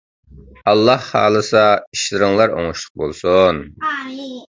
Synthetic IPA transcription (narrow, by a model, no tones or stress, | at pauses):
ɑlˠːɑhːɑ̰ːlˠɨsɑiʃlɪɾɪŋlˠɑɾo̰ŋʊʃlˠʊ̥q̚bolˠsun